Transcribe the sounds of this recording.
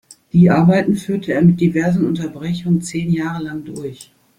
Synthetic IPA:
d̥iːʔaɐbaɪtn̩fyːɐtʰəeːɐmɪt̚d̥ivɛɐzn̩ʔʊntɐbʁɛçʊŋənt͡seːnjaːʁ̞əlaŋdʊɐç

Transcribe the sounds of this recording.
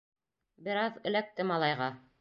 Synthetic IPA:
bɘ̆ɾɑðɘ̆læk̚t̪ɘmɑlˠɑjʁɑ

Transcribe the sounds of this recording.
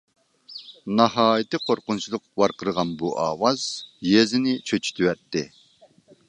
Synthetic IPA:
nɑhɑːjit̪ɨqʰoɾqʊnt͡ʃʰilˠʊqwɑɾqəɾʁɑnbuʔɑ̰ːwɑz̥jezɪnɪt͡ʃʰøt͡ʃʰy̥t̪ʰywɛt̪ːɪ

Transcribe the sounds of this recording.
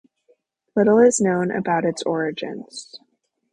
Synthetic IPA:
lɪɾl̩ˠɪznõʊ̃nʔɨ̰baʊɾɨtsɔɹɨd͡ʒɨ̰̃nz̥

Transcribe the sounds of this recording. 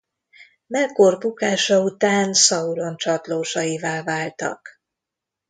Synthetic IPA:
mɛkorbukaːʃɒut̪aːnsɒulo̞nt͡ʃɒt̪loːʃɒjivaːlvaːlt̪ɒ̰k

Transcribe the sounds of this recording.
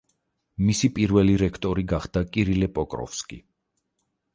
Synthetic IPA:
misipʼiɾvɛliɾɛkʰt̪ʼɔɾiɡaχd̪akʼiɾilɛpʼɔkʼɾɔ̰fskʼḭ

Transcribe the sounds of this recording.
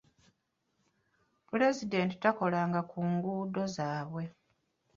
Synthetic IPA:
pule̞zide̞nti̥tako̞laːŋɡakuːŋɡuːdo̞zaːβwe̞

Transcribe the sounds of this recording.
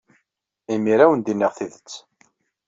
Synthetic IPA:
imiɾæwənd̪inːiʁθiðət͡sː

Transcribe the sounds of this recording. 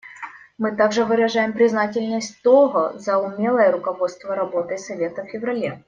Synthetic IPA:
mɨt̪aɡʐɨvɨɾɐʐajɪmpɾʲɪznatʲɪlʲnəsʲtʲt̪oɣəzɐʊmʲe̞lˠəjəɾʊkɐvo̞t̪st̪vəɾɐbo̞t̪əjsɐvʲe̞t̪əffʲɪvɾɐlʲe

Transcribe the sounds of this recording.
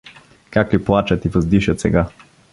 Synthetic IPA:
kakliplˠat͡ʃat̪ivɐzd̪iʃɐt̪sɛ̰ɡa

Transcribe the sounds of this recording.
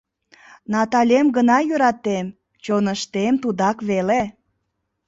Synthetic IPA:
nɑt̪ɑlʲemɡənɑjøɾɑt̪em | t͡ɕonəʃt̪emt̪ud̪ɑkβele

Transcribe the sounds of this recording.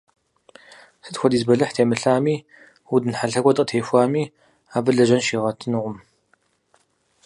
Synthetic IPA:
sɨtxʷɔdiːzbɐɮɨħtʰeːmɨɬaːmiː | wudɨnħaɬɐɡʷɔtʼqʼətʰeːfʷaːmiː | aːbɨɮɐʒɐnʃiːʁɐtʰɨnɨʁʷʊm

